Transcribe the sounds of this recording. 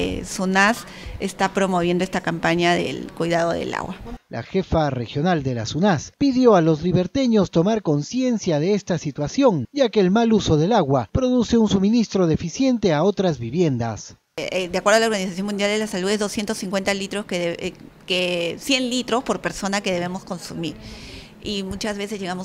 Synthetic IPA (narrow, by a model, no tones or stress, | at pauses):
sunas | est̪apɾo̞mo̞βjend̪oest̪akampaɲaðḛlkujðaðoðḛla̰ɣwa̰lʔa̰xe̞fare̞xjo̞nald̪e̞lasunaspiðjo̞alo̞zliβe̞ɾt̪e̞ɲo̞st̪o̞maɾko̞nsje̞nsjaðeest̪asit̪wasjo̞nɟ͡ʝakeːlmaluso̞ð̞e̞laɣwapɾo̞ðuse̞unsumĩnist̪ɾo̞ðe̞fisje̞nt̪e̞ao̞t̪ɾazβiβje̞nd̪a̰s | d̪eakweɾðalaoɾɣanisasjonmũnd̪jald̪elasaluðezðosje̞nt̪osĩŋkwe̞nt̪alit̪ɾoskee | kesje̞nlit̪ɾospo̞ɾpe̞ɾso̞nakeðe̞β̞emosko̞nsumiɾ | imut͡ʃazβesezʝeɣamos